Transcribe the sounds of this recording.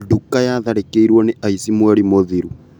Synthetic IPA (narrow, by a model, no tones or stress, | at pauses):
dukːajaðaɾekeiɾwɔneʔaisimwɛɾimoðiɾu